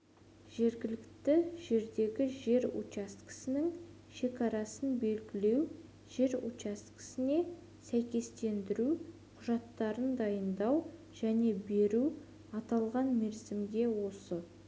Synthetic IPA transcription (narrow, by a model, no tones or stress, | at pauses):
ʒ̥e̞ɾɡʲɪlɪkt̪ɪʒ̥e̞ɾd̪e̞ɡʲɪʒe̞ɾṵtt͡ʃast̪kɪ̥sɪnɪŋ | ʃe̞kɑɾɑsənbe̞lɡʲɪle̞w | ʒ̥e̞ɾut͡ʃast̪kɪ̥sɪne̞ | sæjkʲe̞st̪e̞nd̪ɪɾuqʰʊʒɑt̪ːɑɾənd̪ɑjənd̪ɑw | ʒ̥æne̞be̞ɾu | ɑt̪ɑlˠʁɑnmeɾsɪmɡ̪ʲe̞wo̞sə